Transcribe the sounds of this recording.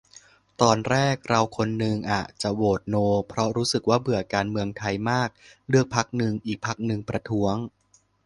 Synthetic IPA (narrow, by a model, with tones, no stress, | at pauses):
t̪ɔː˧nɾɛː˥˩k̚ɾa˧wkʰo˧nːɯ˧ŋʔaː˨˩t̪̚t͡ɕa˨˩woː˨˩t̪̚noː˧pʰɾɔ˦˥ɾuː˦˥sɯ˨˩k̚waː˥˩bɯ˨˩ɐkaː˧nmɯ˧əŋt̪ʰa˧jmaː˥˩k̚lɯ˥˩ək̚pʰa˦˥k̚nɯ˧ŋʔiː˨˩k̚pʰa˦˥k̚nɯ˧ŋpɾa˧t̪ʰu˦˥əŋ